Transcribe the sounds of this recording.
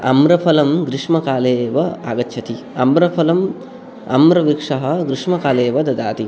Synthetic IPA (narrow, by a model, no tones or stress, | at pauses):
ɐ̰mɾɐpʰɐlɐmɡɾiʂmɐkaːleːʋɐa̰ːɡɐtːʃʰɐt̪i | ɐ̰mɾɐpʰɐlɐm | ɐ̰mɾɐʋikʂɐɦɐ̆ɡɾiʂmɐkaːleːʋɐd̪ɐd̪aːt̪i